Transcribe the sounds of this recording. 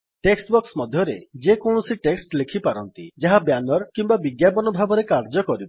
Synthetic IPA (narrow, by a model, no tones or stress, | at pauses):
ʈeksʈbɔksmɔd̪ʱjɔɾḛd͡ʒekɔɳ̃ɔsiʈeksʈlekʰipaɾɔnt̪ḭd͡ʒaɦabjanɔɾkimbabiɡjapɔnɔbʱabɔɾekaɾd͡ʒɔkɔɾibɔ